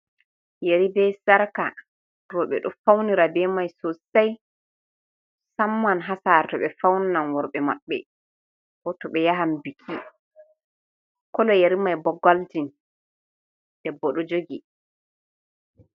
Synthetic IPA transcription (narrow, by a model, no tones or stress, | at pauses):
jeɾibɛsaɾka | ɾɔɓɛ̰ɗɔfawniɾabɛmajsɔsaj | samːanɦasaɾtɔɓɛfawnnanwɔɾɓɛma̰ɓːɛ̰ | ɔtɔɓɛjaɦambikʰːi | kɔlɔjeɾimajbɔɡːaltin | d̥ɛbɔɗɔd͡ʒoɡi